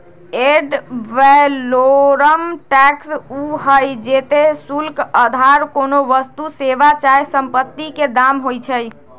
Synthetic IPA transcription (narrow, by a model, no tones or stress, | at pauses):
eɖʋɛloɾəmʈɛksuɦəjd͡ʒet̪esulkəd̪ʱaɾkonoʋəst̪useʋat͡ʃajsəmpət̪ːiked̪amɦojt͡ʃʰəj